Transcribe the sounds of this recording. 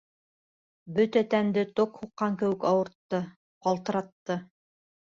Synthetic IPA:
bɵt̪æt̪ænd̪ɘt̪oqhuqːɑŋkɘ̆wɘkɑwɤ̆ɾt̪ːɤ | qɑlˠt̪ɤ̆ɾɑt̪ːɤ

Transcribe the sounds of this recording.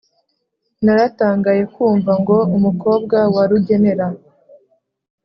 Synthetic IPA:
naɾataːŋɡaje̞kuːɱvaŋɡo̞umuko̞ːb̚ɡawaɾuɟe̞ne̞ɾa

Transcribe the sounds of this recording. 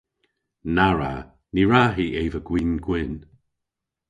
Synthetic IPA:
naɹa̰ | niɹaɦiʔeːvəɡ̥wiːnɡwɪn

